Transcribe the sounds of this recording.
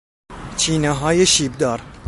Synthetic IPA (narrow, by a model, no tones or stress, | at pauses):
t͡ʃʰiːnɛɦɑːjeʃiːb̚d̪ɒːɾ